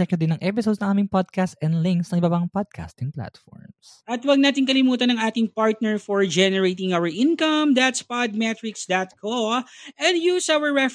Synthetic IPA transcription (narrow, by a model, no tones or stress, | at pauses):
ɛk̚t̪od̪ɪnɐŋʔɛpɪsod̪snɐŋʔaːmɪŋpod̪̚kast̪ɛnlɪŋksnɐŋʔɪbabɐŋpad̪̚kʰa̰st̪ɪŋpla̰t̪fɔ̰ɹms | ʔɐt̪wɐɡ̚naːt̪ɪŋkɐlɪmuːt̪ɐnɐŋʔaːt̪ɪŋpaɹt̪̚nɛɹfɔɹd͡ʒɛnɛɹejt̪ɪ̃ŋʔawɐɹʔɪ̃nkɐmd̪at̪spad̪̚mɛt̪ɾɪksd̪at̪̚kʰoʔɛ̃nd̪juːsawɐɹːɛf